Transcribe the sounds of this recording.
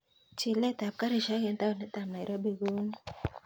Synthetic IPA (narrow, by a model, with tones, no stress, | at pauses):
t͡ʃɪ˨lɛ˦t̪a˨p̚ka˦ɾi˨ʃa˦kɛ˨˦nt̪a˦˨nɛ˦t̪a˨mna˨ɪ˨ɾɔ˦be˨ɡo˦n˦